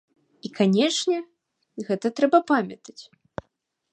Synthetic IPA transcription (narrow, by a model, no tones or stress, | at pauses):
ikʰanʲɛʂnʲɛ | ɣɛt̪ɐt̪ɾɛbɐpamʲɐt̪ɐ̥t͡sʲ